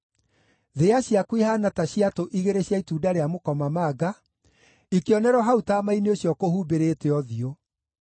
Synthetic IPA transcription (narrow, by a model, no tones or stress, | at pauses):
ðeaɕjakwihanataɕiatoʔiɣeɾeɕjaituːdaɾeamokɔmamaɡa | ikeɔnɛɾɔɦautaːmaineoɕjɔkohuːbeɾeteɔðio